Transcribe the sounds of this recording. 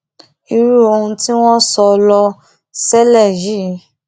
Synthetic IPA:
i˧ɾu˦o˧hũ˧ti˦w̃ɔ̃˦sɔ˧lɔ˧ | sɛ˦lɛ˦˨ji˦

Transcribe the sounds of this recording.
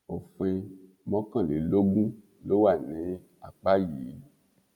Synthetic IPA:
o˨fũ˧e˧ | mɔ̃˦kã˦˨le˨˦lo˦ɡũ˦ | lo˨˦wa˦˨nẽ˨˦ | a˨k͡pa˦ji˨˦

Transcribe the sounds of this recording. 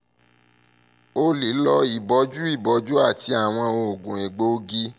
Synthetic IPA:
o˦li˨˦lɔ˧˦i˨bɔ˨˧˦d͡ʒu˦i˦˨bɔ˨˦d͡ʒu˦a˦˨ti˧˦a˨w̃ɔ̃˧o˧o˨ɡũ˨e˨ɡ͡bo˨˦ɡi˦

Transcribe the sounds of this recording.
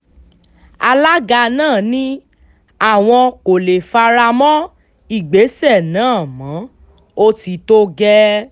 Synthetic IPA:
a˧la˦ɡa˧nãː˦˨nĩ˦ | a˦˨w̃ɔ̃˧ko˨le˨fa˧ɾa˧mɔ̃˦ | i˦˨ɡ͡be˨˦sɛ˦˨nãː˨˦˨mã˨˦ | o˦ti˧to˦ɡɛ˦

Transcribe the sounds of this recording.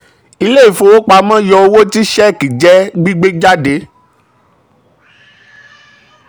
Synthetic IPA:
i˧le˦i˦˨fo˧wo˦k͡pa˧mã˦jɔ˧o˧wo˦ti˦ʃɛ˦˨ki˨d͡ʒɛ˦ɡ͡bi˦ɡ͡be˦d͡ʒa˦de˧˦

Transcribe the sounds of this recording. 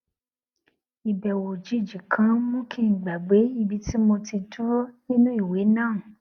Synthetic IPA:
i˨bɛ˨wo˨d͡ʒi˨˦˨d͡ʒi˨kʰã˨˦mũ˦kʰi˦˨ɡ͡ba˨ɡ͡be˨˦i˧bi˧ti˦mõ˧ti˧tu˦ɾo˦nĩ˦nũ˦i˦˨we˨˦nãː˦˨

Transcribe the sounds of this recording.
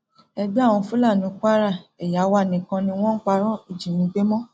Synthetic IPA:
ɛ˧ɡ͡bi˦˨w̃ɔ̃˧fu˦la˦˨nĩ˨˦ka˦ɾa˦˨ɛ˨ja˨˦wa˧˨nĩ˨kã˧nĩ˧w̃ɔ̃˦n̩˦k͡pa˧ɾ̃ɔ̃˦i˨d͡ʒi˨nĩ˨˦ɡ͡be˦mɔ̃˦

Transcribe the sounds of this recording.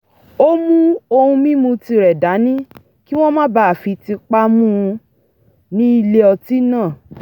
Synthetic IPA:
o˦mũ˦o˧hũ˧mĩ˦mũ˧ti˧ɾɛ˨da˨˦nĩ˦ | ki˦w̃ɔ̃˦mã˦ba˦a˨fi˨˧ti˧k͡pa˦mũ˦˧ | nĩ˦i˧le˦ɔ˧ti˦nãː˦˨

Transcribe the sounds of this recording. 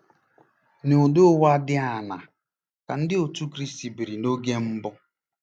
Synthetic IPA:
nʊ˨ʊ˨dʊ˦wa˦dɪ˦a˨na˨ | ka˨n̩˦dɪ˦o˨tu˦kɾi˦sti˨bi˨ɾi˨no˦ɡe˦m̩˦bʊ˦

